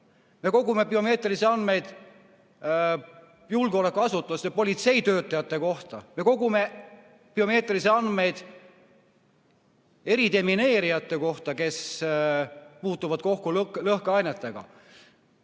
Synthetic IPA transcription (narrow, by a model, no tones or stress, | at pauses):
me̞ko̞ɡume̞pio̞me̞ːt̪ˑriseɑnd̪me̞jd̪̥ | julɡeo̞le̞kːˑuɑsut̪ːˑusɑpo̞lʲit̪se̞jt̪ø̞ːt̪ːˑɑjɑt̪ːˑe̞ko̞ht̪ɑme̞ko̞ɡume̞ | pio̞me̞ːt̪riseɑnd̪me̞jd̪̥ | e̞ɾid̪e̞mine̞ːɾijɑt̪ˑːe̞ko̞ht̪ɑke̞s | puːt̪ːˑuvɑd̪̥ko̞hkulklɤhkɑjnet̪ːˑeɡ̥ɑ̰